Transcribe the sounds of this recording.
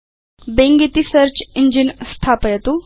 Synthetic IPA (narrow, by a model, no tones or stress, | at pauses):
beŋɡit̪isəɾt͡ɕiɲd͡ʑinst̪ʰapəjət̪u